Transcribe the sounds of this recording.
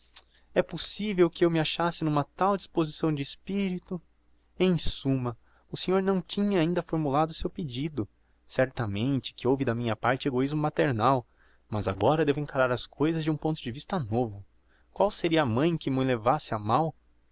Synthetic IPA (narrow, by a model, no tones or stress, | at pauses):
ɛposivewkɪewmɪaʃasɪnũmɐt̪awd͡ʒispozisɐ̃w̃d͡ʒɪespiɾit̪ʊ | ẽj̃sũmɐ | ʊsẽɲoɾnɐ̃w̃t͡ʃĩɲɐaĩnd̪ɐfoɾmulad̪ʊsewped͡ʒid̪ʊ | sɛɾt̪ɐmẽnt͡ʃɪ̥kɪowvɪd̪ɐmĩɲɐpaɾt͡ʃɪeɡoizmʊmat̪eɾnaw | mɐza̰ɡɔɾɐd̪evʊẽŋkaɾaɾɐskʰojzɐzd͡ʒɪũpõnt̪ʊd͡ʒɪvist̪ɐnovʊ | kwawseɾiɐːmɐ̃j̃kɪmɪlevasɪamaw